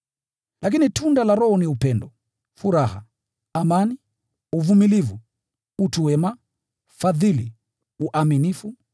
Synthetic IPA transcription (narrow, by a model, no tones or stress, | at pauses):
lʔak̬initundalaɾɔhɔniupɛndɔ | fuɾaha̰ | amani | uvumilivu | utuwɛma | faðili | uʔaminifu